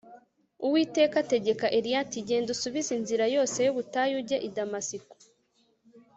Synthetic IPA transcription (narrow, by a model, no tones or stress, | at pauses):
uwiːte̞ːkate̞ɟe̞kaʔeɾijatiɟe̞ːndusuβizinziɾajo̞ːse̞joβutajuɟe̞ʔidamasiko̥